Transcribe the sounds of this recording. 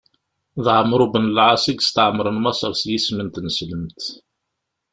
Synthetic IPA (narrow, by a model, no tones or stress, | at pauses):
ðʕəmːɾubənəlʕɑsˤiɡst̪əʕmːəɾˤənmɑsˤəɾˤsjismənt̪nəsləmt̪